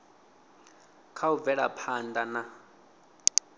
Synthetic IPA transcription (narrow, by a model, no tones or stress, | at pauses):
kʰauvɛɺa̰pʰandana